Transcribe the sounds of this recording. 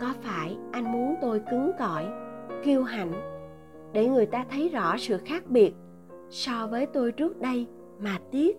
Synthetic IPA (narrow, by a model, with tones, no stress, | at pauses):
kɔ˨˦faː˧˩jʔa˧jŋ̟mu˨˦ənt̪o˧jkɨ˨˦ŋkɔ˧˩jki˧əwɦa̰˧˩˨jŋ̟ | ɗe˧˩ŋɨ˨˩əjt̪aː˧t̪ʰə˨˦jzɔ̰˧˥sɨ̰˧˨xaː˦˥k̚ɓi˨˩ət̚ | sɔ˧vəː˨˦jt̪o˧jt͡ɕɨ˦˥ət̚ɗə˧j | maː˨˩t̪i˦˥ət̚